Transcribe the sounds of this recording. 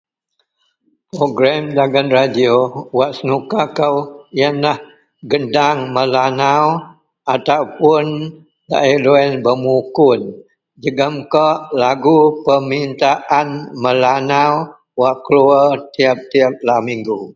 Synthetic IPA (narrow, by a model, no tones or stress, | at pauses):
pɾoɡɾamdaɡanradiowaʔsənukakəwjanlah | ɡədaŋmə̃lanaw | at̪awpʊn | da̰iloɛnbəmukʊn | d͡ʒəɡamkɔʔlaɡupəmint̪aʔanmə̃lanaw | waʔkluət̪iap̚t̪iap̚lamiŋɡu